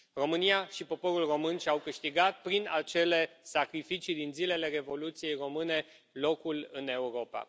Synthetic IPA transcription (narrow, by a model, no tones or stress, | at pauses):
ro̞mɨniaʃipo̞po̞ɾulro̞mɨnʃawkɨʃt̪iɡat̪̚pɾinat͡ʃe̞le̞sakɾifit͡ʃid̪inzile̞le̞ɾe̞vo̞lut̪sije̞jro̞mɨne̞ | lo̞kulɨne̞uɾo̞pa̰